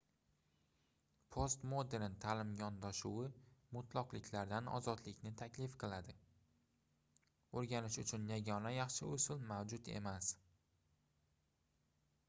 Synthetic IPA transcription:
pʰost̪mod̪eɾnt̪ʰalɪmjɒnd̪aʃuwɪmʊt̪ʰlˠɒqlɪkʲʰlaɾd̪anɒ̰zɒd̪lɪkʲnɪt̪ʰakʲlɪfqʰɨlˠad̪ɪ | oɾɡʲanɪʃʊt͡ʃʰʊnjaɡʲɒnajɑχʃɪʊsɪlmawd͡ʒʊt̪e̞̰mas

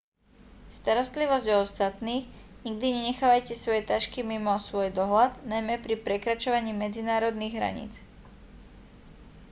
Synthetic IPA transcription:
st̪aɾɔst̪liʋɔzɟɔɔst̪at̪niːɣɲiɡ̚d̪iɲɛɲɛxaːʋajcɛsʋɔjɛt̪aʃkimimɔsʋɔjd̪ɔɦlad̪najmɛpɾipɾɛkɾat͡ʃɔʋaɲiːmɛd͡zinaːɾɔd̪niɣɦɾa̰ɲḭːt͡s

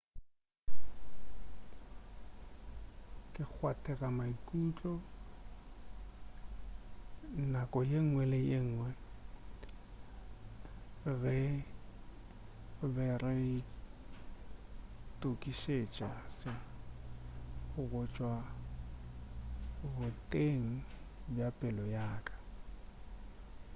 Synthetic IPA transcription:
kʼɪk͡xʰwatʰʼɛɣamaikʼut͡ɬʼɔ | nakʼɔjeŋ̩ŋwɛlɪjeŋ̩ːŋwɛ | ɣɛ | ʊbɛrɪɪ | tʼokʼiʃet͡ʃʼasɪ | ɣʊɣʊt͡ʃʼwa | bʊtʼeŋ̩ | bjapʼɪlɔjaːkʼḁ

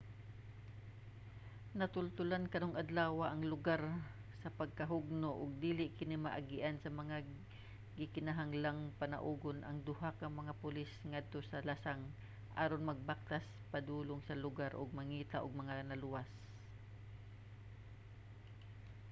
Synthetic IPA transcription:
nɐt̪ʊlt̪ʊlankɐnoŋɐd̪laːwaʔɐŋlʊɡaɾ | sɐpɐɡ̚kɐɦʊɡ̚noʔʊɡ̚d̪iːlɪʔkɪnɪmɐʔaɡɪʔansɐmɐŋa | ɡɪkɪnaɦaŋlaŋpɐnɐ̰ʔuːɡonʔɐ̰ŋd̪ʊhakɐŋmɐŋapʊlɪsŋad̪̚t̪o̞sɐlasaŋ | ʔaːɾonmɐɡ̚bak̚t̪as | pɐd̪uːloŋsɐlʊɡaɾʔo̰ɡ̚mɐŋiːt̪aʔoɡ̚mɐŋanɐlʊwas

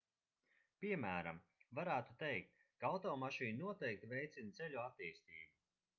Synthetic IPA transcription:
piɛmæːɾa̰mvaɾæːt̪ut̪ejk̚t̪̚ | kaawt̪ɔːmaʃiːnnuɔt̪ɛjk̚t̪ivʲejt̪sint̪sɛlʲuat̪ːiːst̪ḭːbu

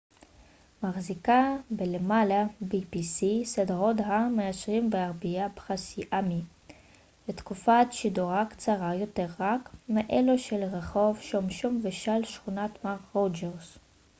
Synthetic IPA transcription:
maχzikabelemalabipisised̪ʁodɦamejaʃʁimbeaʁbiabe̥χasiʔami | bet̪kufatʃiduʁakt͡saʁajo̞t̪eʁːakmeʔeluʃelʁeχo̞vʃomʃomveʃalʃχunat̪maʁʁod͡ʒeʁs

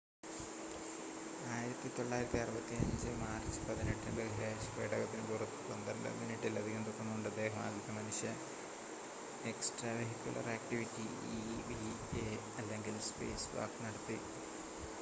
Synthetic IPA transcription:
aːjiɾɐt̪ːit̪o̞ɭːaːjiɾɐt̪ːiɐrubɐt̪ːiɐɲd͡ʑɨmaːrt͡ɕɨ̥pɐðineʈːɨbeɣiɾaːspeːʈɐɣɐt̪ːinɨkurɐt̪ːɨpɐnd̪ɐ̰nd̪ɐ̰miniʈːilɐðiɣend̪okːunːuoɳɖɨɐd̪ːeːɦɐma̰ːɡ̪ɐt̪ːɐmɐnuʂjɐ | eksʈrɐʋeɦikʲːjṵlɐ̰raːkʈiʋitːi | iʋi | e | ɐlːe̞ŋɡilspe̞̰ːsʋa̰ːknɐɽɐt̪ːi

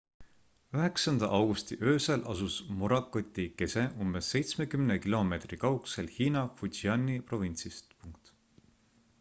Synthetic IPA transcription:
yɦe̞ksɑnd̪ɑʔɑwɡ̥ust̪iʔø̞ːselʔɑsusmuɾɑkˑːot̪ʲːˑike̞se̞ʔumbe̞sːe̞jt̪sme̞kymnekilo̞me̞t̪rikɑwkse̞lhiːnɑfuiɑnʲːipro̞vinsist̪puŋk̚t̪

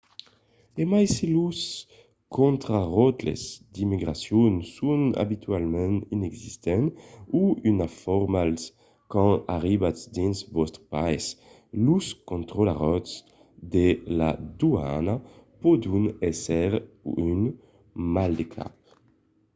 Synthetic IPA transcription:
emajselus | kʰɔ̃nt̪ɾaʁɔt̪lḛzd̪imiɡɾasjɔnsuna̰bit̪ɥalmɛ̃ninɛɡzist̪ɛnuynafɔɾmals | kɑ̃a̰ʁibatsd̪insvɔst̪ɾpaes | luskõnt̪ʁolaʁɔt̪s | d̪ela̰d̪ua̰napɔd̪unɛsɛʁ | yn | mald̪ekʰa̰p̚

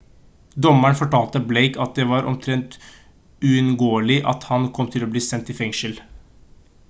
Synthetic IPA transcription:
d̪ɔmæɳfɔʈʰɑːlt̪əbleɪkɑt̪̚d̪ɛʋɑːɾʔɔ̰mt̪ʰɾɛnt̪ | ʉɪnɡoːəɭɪʔɑ̰t̪hɑnkʰɔmːt̪ʰɪloːbliːsɛnt̪ɪfɛŋʃəl

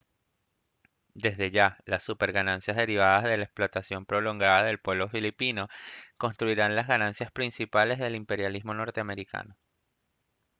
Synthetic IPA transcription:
d̪e̞zðe̞ʝalasːupeɾɣanãnsjazðe̞ɾiβ̞aðazðe̞laeksplo̞t̪asjo̞mpɾo̞lo̞ŋɡaðaðe̞lpwe̞β̞lo̞filipino̞ko̞nst̪ɾuiɾanlazɣanãnsjaspɾinsipale̞zðe̞limpe̞ɾjalizmo̞no̞ɾt̪eame̞ɾikʰa̰no̞

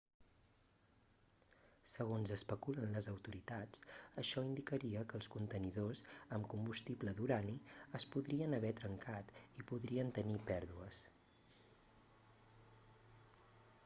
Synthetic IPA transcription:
səɣonzəspəkulənləzəwt̪uɾit̪at͡səʃɔind̪ikəɾiəkəːlˠskunt̪əniðozəmkumbust̪ibləðuɾaniəspuðɾiənəβ̞ɛt̪ɾəŋkat̪ipuðɾiənt̪ənipɛɾðuəs

